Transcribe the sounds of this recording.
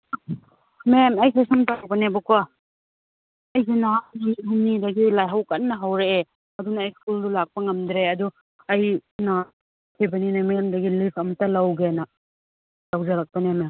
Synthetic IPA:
memɐjsʰejsɐmtawbɐnebɐkwa | ɐjɡinaniɦumnidɐɡilajɦawkɐt̚nɐɦawɾee | ɐdunɐːjskuldulak̚pɐŋɐmd̪ɾeɐdu | ɐjna | kʰibɐninamemdɐɡilipʰɐmɐtɐlawɡenɐ | lawzɐɾak̚pɐneme

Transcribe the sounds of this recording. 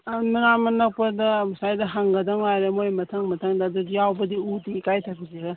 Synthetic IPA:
nuɾamɐnɐk̚pɐdɐmɐsajdɐɦaŋɡɐdɐŋwajɾemojmɐtʰɐŋmɐtʰɐŋdɐduijawbɐdiudikajtʰakʰiziɡɐ

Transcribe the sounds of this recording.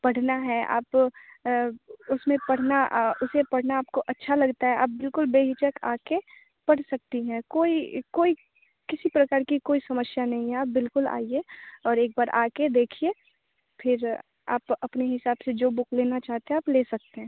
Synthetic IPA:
pɐɽ̤naɦɛʔa̰ːp | ʊsmẽpɐɽ̤naʊsepɐɽ̤naaːp̚koʔɐtːʃʰalɐɡt̪aɦɛʔa̰ːp̚bɪlkʊlbeːɦɪt͡ʃəkaːke | pɐɽ̤sɐk̚t̪iɦɛ̃koːikoːi | kɪsipɾɐkaːɾkikoːisɐməsjanɐɦĩɦɛaːp̚bɪlkʊla̰ːieɔːɾeːk̚baːɾʔa̰ːked̪eːkʰieː | pʰɪɾ | a̰ːpɐpneɦɪsaːbsed͡ʒoːbʊkleːnat͡ʃaːɦt̪eɦɛ̃aːpleːsɐk̚t̪eɦɛ̃ː

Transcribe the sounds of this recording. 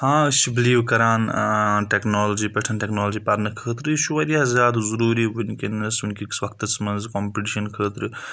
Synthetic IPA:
hãːʃibliːwkɐɾaːnʈeknoːlod͡ʒipɐʈʰɐnʈeknoːld͡ʒipɐɾnɐkʰəːt̪ɾɨʃʰuʋɐɾijaːzʲjaːd̪zuɾuːɾibunkinɐsunkiksʋɐk̚t̪ɐt͡smɐnzkompiʈiːʃɐnkʰəːt̪ɾɨ

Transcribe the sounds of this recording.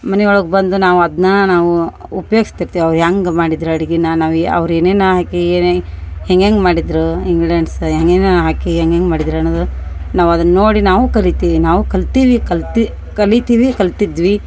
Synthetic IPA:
mɐnɛɔɭɐɡbɐnd̪unaːʋuɐd̪nɐnaːʋuupɐjoːɡist̪iɾt̪iːʋiɐʋɾɦaːŋɡmaːɽid̪ɾuɐɽiɡinanaːʋɐ̰ʋɾeːneːnɐɦaːkienheŋɡeːŋɡmaːɽid̪ɾuiŋɡɽeːɳsɦeŋɡeːnɦaːkiɦeŋɡeːŋɡmaːɽid̪ɾɐnoːd̪unaːʋuɐd̪ɐnɐnoːɽinaːʋukɐlit̪iːʋinaːʋukɐlt̪iːʋikɐlt̪i | kɐlit̪iːʋikɐlt̪id̪ʋi

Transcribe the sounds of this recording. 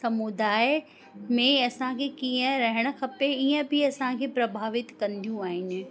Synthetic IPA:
sɐmud̪aːɪ | mẽɐsãkʰekiːə̃ɾɐɦɪɽ̃ʊ̆kʰɐpeiːə̃bʱɪɐsãkʰeːpɾɐbʱaːʋɪt̪kɐ̃nd̪ʱijũaːɦɪnɪ̆

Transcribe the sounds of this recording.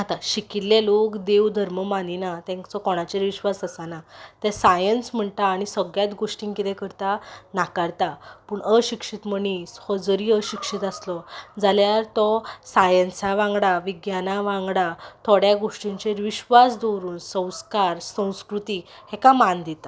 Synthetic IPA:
ɦat̪aɕikit̪lelokd̪eʋd̪ʱəɾməmaninat̪ɛ̃ŋt͡sɔkɔɽ̃at͡ɕeɾʋiɕʋasəsanat̪ɛ̃sajənsm̤əɳt̪aːɽ̃isəɡjat̪ɡoʂʈĩŋkit̪ɛ̃kəɾt̪anakaɾt̪apuːɳəɕikʂit̪məɳishəd͡zəɾiːəɕikʂit̪aslɔd͡zaljaɾt̪ɔsajənsaʋãŋɡɽaʋiɡjanaʋãŋɡɽat̪ʰɔɽjaɡoʂʈĩɲt͡ɕeɾʋiɕʋasd̪oɾuːnsə̃w̃skaɾsə̃w̃skɾut̪iːhɛkamand̪it̪a

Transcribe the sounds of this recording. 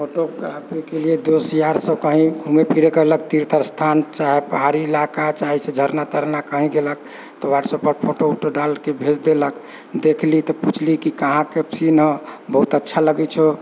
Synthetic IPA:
pʰoʈoɡɾapikelied̪osjaɾsəkəɦĩɡʱumepʰiɾekəɦlək̚t̪iɾt̪ʰəɾst̪ʰant͡ʃaɦepəɦaɾiːlakat͡ʃaɦisẽd͡ʒʱəɾnat̪əɾnakəɦĩɡelək | t̪ɔʋaʈsəpəɾpʰoʈooʈoɖalkebʱed͡ʒd̪elək | d̪ekʰlit̪ɔput͡ʃʰlikikəɦãkepsinə̃bəɦut̪ətːʃʰaləɡɛt͡ʃʰo

